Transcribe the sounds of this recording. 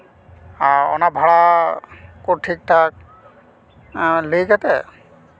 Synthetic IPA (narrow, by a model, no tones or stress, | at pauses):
aɔ̰nabʱaɭa | koʈʰik̚ʈʰak̚ | lejkat̪ɛ